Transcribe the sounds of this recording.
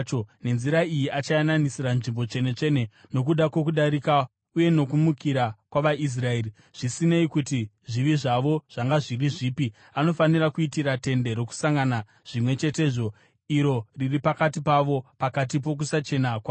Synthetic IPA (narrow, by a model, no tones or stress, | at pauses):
t͡ʃone̞nziɾaijiʔat͡ʃajananisiranʐimbo̞t͡ʃe̞ne̞t͡ʂe̞ne̞no̞kuɗakwo̞kuɗaɾika | uje̞no̞kumukiɾakwaʋais̬rae̞ːri | ʐ̥isine̞ikuti | ʐiʋiʐaʋo̞ʐ̥aŋɡaʐiriʐiːpi | ano̞fanirakuitiɾate̞nde̞ɾo̞ku̥saŋɡana | ʐ̥imwe̞t͡ʃe̞te̞ːʐo̞ | iɾo̞riripakatipaʋo̞pakat̬ip̬o̞k̬usat͡ʃe̞nakwaː